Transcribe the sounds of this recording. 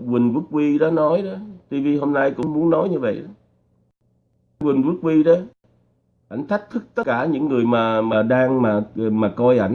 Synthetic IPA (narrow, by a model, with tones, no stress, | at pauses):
wï˨˩ŋ̟vɨ˦˥ək̚wi˧ɗɔ˨˦nɔ˨˦jɗɔ˨˦t̪i˧vi˧ɦo˧mna˧jkʊ̰˧˥ŋ͡mmu˨˦ənɔ˨˦jɲɨ˧və̰˧˨jɗɔ˨˦ | wï˨˩ŋ̟vɨ˦˥k̚wi˧ɗə˨˦ | ʔa̰˧˩jŋ̟t̪ʰa˦˥jk̚t̪ʰɨ˦˥k̚t̪ə˦˥kːaː˧˩ɲɨ̰˧˥ŋːɨ˨˩əjmaː˨˩maː˨˩ɗaː˧ŋmaː˨˩maː˨˩kɔ˧jʔa̰˧˩j